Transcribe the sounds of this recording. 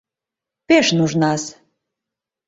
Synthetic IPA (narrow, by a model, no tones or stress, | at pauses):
peʃnuʒnɑs